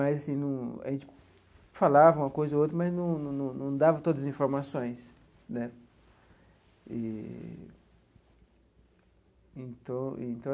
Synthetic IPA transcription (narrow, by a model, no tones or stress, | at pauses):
mazasĩnɐ̃w̃a̰ʒẽnt͡ʃɪ̥ | falavɐũmɐkojzɐot̪ɾɐmɐznɐ̃w̃ñnɐ̃w̃nɐ̃w̃d̪avɐt̪od̪ɐzĩfoɾmasõj̃s | nɛ | ḭ | ẽnt̪ɐ̃w̃ḭẽnt̪ɐ̃w̃